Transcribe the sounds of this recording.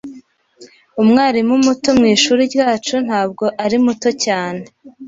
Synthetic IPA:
umŋaːɾimumuto̞mŋiːʃuːɾiɾjaːt͡ʃun̥haːb̚ɡo̞ʔaɾimuto̞caːne̞

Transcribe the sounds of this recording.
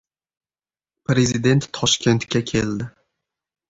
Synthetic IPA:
pɾe̞zid̪e̞nt̪ʰːɒʃkʲe̞nt̪kʲakʲʰe̞ld̪ɪ

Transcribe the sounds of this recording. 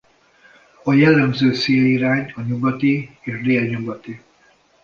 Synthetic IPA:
ɒjɛlːɛmzøːseːiɾaːɲɒɲuɡɒt̪ieːʃdeːɛɲuɡɒt̪i

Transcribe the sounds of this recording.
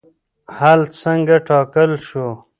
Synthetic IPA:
halsəŋɡaʈʰɑːkəlʃo

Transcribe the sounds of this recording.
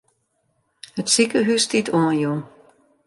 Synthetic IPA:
hətsikəɦystitʰoənju

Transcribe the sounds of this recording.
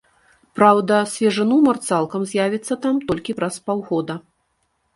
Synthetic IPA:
pɾawd̪ɐsʲvʲɛʐɨnumɐrt̪salˠkɐmzʲjavʲit̪sːɐt̪amt̪ɔlʲkʲipɾɐspawɣɔd̪ɐ

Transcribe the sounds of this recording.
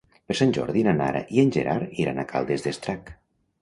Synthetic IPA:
peɾsanʲʒɔ̰ɾðinanaɾa̰ʔienʲʒeɾaɾiɾanakʰa̰lˠd̪ezðest̪ɾak

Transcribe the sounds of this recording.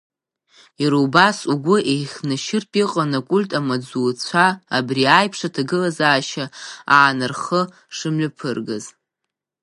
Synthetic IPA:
iɾuwbasuɡʷʊʔejχʲnɨʃɪrpʼiqʼanakʷʼʊlʲtʼamad͡zuːt͡ɕʷʰaːbriajpʰʂatʰaɡɨlazaːʃaaːnɨrχə | ʂɨmɥɨpʰɨrɡa̰z

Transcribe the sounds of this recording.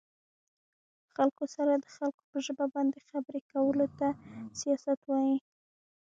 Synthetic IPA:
xalkosaɾad̪əxalko̥pəʒəbabɑnd̪exabɾekawəlot̪asijɑsat̪wɑji

